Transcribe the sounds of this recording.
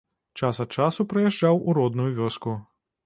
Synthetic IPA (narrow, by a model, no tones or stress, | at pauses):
t͡ʂasɐt͡ʂasupɾɐjaʐd͡ʒawuɾɔd̪nujuʋʲɔsku